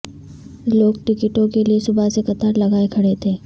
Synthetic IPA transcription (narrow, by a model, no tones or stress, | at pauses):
loːɡʈɪkɪʈõkeliesʊbʱasekɐt̪aɾlɐɡaːekʰɐɽet̪ʰeː